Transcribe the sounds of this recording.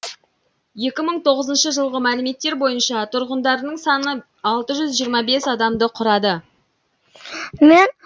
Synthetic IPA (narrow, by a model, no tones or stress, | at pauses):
je̞kʲɪməɴt̪ʰo̞ʁəzənʃəʒəlˠʁəmælɪme̞t̪ːe̞ɾbo̞jənʃɑt̪ʰʊɾʁənd̪ɑɾənəɴsɑnə | ɑlˠt̪əʒʏzʒijəɾmɑbe̞sɑd̪ɑmd̪əqʰʊɾɑd̪ə | men